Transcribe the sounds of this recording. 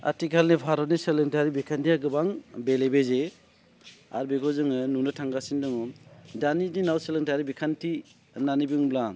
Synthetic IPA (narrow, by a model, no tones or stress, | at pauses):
a̰tikʰalnipʰaɾɔniselɯŋtʰaɾibikʰantiaɡɯbaŋbelebeze | a̰ɾbekʰɔzɯŋɯnunɯtʰaŋɡasindɯŋɔdanidinawselɯŋtʰaɾibikʰantʰi | nanibiŋblaŋ